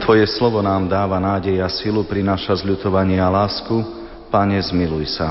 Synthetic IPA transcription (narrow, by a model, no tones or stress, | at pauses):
t̪ʋɔjɛslɔʋɔnaːmd̪aːʋanaːɟɛjasilupɾinaːʃazʎut̪ɔʋaɲɪɛalaːsku | paɲɛzmilujsa